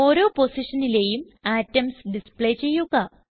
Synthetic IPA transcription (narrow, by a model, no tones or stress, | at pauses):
o̞ːɾo̞ːpo̞siʂɐnile̞ːjum | aːtːɐmsɖispɭejt͡ɕe̞jːuɣɐ